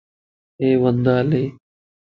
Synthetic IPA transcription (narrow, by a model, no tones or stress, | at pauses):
eːʋənd̪aːleː